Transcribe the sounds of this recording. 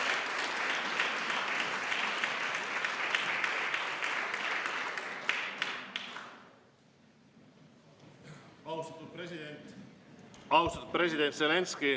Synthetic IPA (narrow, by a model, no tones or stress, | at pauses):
ɑwst̪ɑt̪ːut̪̚p̪ent̪ | ɑwst̪ɑt̪ut̪presid̪ent̪selenski